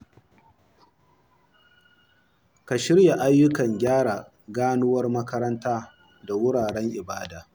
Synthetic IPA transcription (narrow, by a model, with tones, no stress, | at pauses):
ka˨ʃɪ˦ɽja˨ʔa˦jːʊ˦kɐ˨ŋɡʲaː˦ɽaː˨ | ɡaː˦nʊ˦wɐ˦rmɐ˦kɐ˦ɾɐ˦ntaː˦ | da˨wʊ˦ɽaː˨ɽɛ˦ŋʔɪ˨baː˦daː˨